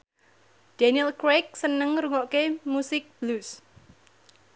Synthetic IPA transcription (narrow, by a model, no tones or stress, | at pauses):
d̥ɛnilkɾek̚sənəŋɾuŋɔʔkemusɪk̚b̥lus